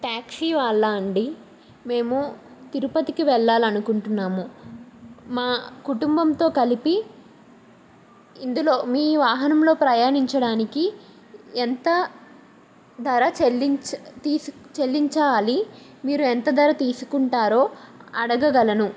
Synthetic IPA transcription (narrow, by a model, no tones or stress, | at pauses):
ʈaːksiʋaːɭːaɐɳɖi | me̞ːmu | t̪iɾupɐt̪ikiʋɛɭːaːlɐnukuɳʈunːaːmu | maːkuʈumbɐmt̪o̞ːkɐlipi | ind̪ulo̞ːmiːʋaːɦɐnɐmlo̞ːpɾɐjaːniɲt͡ʃɐɽaːniki | ɛnt̪ɐ | d̪ɐɾɐt͡ʃelːit̪iːst͡ʃelːiɲt͡ʃɐʋaːlimiːɾuɛnt̪ɐd̪ʱɐɾɐt̪iːsu̥kuɳʈaːɾoːɐɽɐɡɐɡɐlɐnu